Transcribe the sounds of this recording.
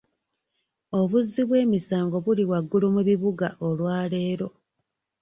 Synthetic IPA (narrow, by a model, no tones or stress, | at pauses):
o̞βuzːiβwe̞ːmisaːŋɡo̞βuliwaɡːulumuβiβuɡaʔo̞lwaːle̞ːɾo̞